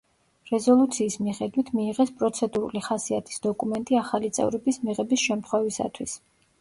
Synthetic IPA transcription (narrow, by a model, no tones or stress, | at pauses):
ɾɛzɔlˠut̪sʰiːsmiχɛd̪wit̪ʰmiːʁɛspʼɾɔt̪sʰɛd̪uɾṵliχasiat̪ʰi̥sd̪ɔkʼumɛnt̪ʼiaχalit̪sʼɛ̰vɾɛbismiʁɛbisʃɛmt̪χwɛvisa̰t̪ʰwis